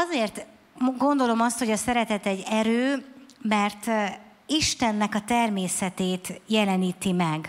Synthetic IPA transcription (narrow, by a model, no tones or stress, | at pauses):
ɒzeːrt̪ | ɡo̞nd̪o̞lo̞mɒst̪ho̞ɟɒsɛɾɛt̪ɛt̪ɛɟːɛɾøːmɛrt̪ | iʃt̪ɛnːɛkɒt̪ɛrmeːsɛt̪eːt̪jɛlɛniːt̪imɛɡ